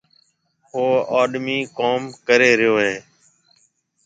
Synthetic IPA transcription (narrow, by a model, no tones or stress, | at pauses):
ɦoːaːɗmiːkoːmkəɾeːɾɪjoːɦẽː